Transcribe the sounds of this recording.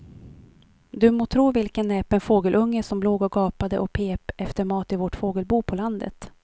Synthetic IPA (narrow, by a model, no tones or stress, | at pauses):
d̪ɵmoːt̪ʰɾuːvɪlkənːɛːpənfoːɡəlʔɵŋːəʂɔmbloːɡɔɡɑːpad̪əʔɔk̚pʰeːpɛft̪əɾmɑːt̪ɪvɔʈfoːɡəlbuːpʰɔland̪ə̰t̪